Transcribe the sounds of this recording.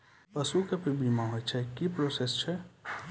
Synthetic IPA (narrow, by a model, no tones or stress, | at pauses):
pəsukepibiːmãɦojt͡ʃʰɛkipɾoːsest͡ʃʰɛ